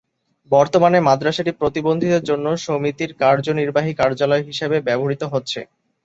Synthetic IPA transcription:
bɔɾt̪omanemad̪ɾaʃeʈipɾot̪ibond̪ʱid̪eɾd͡ʑonːoʃomit̪iɾkaɾd͡ʑoniɾbaɦikaɾd͡ʑalɔeɦiʃebebɛboɾit̪oɦotːɕʰḛ

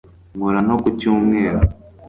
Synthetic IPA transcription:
ŋuɾanokucuːmŋeːɾa

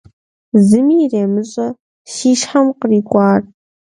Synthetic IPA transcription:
zɨmiːreːmɨɕʼɐ | ʃiːʃħɐmqəriːkʷʼɑːrʼ

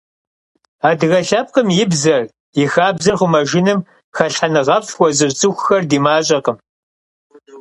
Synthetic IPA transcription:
aːdɨɣɐɬɐp̚qəmjɪbzɐr | ɪxaːbzɐrχʷʊmɐʒɪnɨm | xɐɬħanɨʁɐpswʷɔzɨrt͡sʼɨxʷxɐrdiːmaːɕʼɐqəm

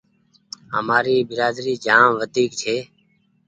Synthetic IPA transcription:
ɦə̰maːɾiːbɪɾaːd̪ɾiːd͡ʒaːmʋəd̪ʱiːkt͡ʃʰeː

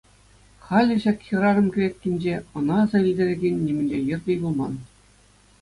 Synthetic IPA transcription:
χɑlʲɘ̆ɕɑkʲxʲɤ̆ɾɑrɤ̆mkʲiɾʲet̚ʲkʲenʲd͡ʑeɤ̆nɑːzɑilʲdʲeɾʲĕɡʲenʲːimʲɘ̆nʲd͡ʑejɤ̆rdʲibulˠmɑn

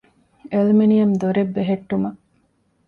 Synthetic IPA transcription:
elmenijɐmd̪oɾebːeɦeʈːumɐ

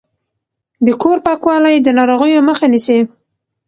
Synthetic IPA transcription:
d̪əkoɾpɑkwɑlajd̪ənɑɾoɣəjoməxanisi

